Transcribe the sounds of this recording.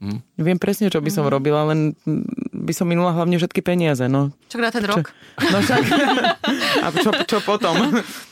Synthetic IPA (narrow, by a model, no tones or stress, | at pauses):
ʋɪɛmpɾɛsɲɛt͡ʃɔbisɔmɾɔbilalɛn | bisɔmːinulaɦlaʊɲɛfʃɛt̪̚kipɛɲɪazɛnɔt͡ʃɔɡd̪at̪ɛɾɔɛknɔt̪ak | a̰ɔt͡ʃɔpɔt̪ɔm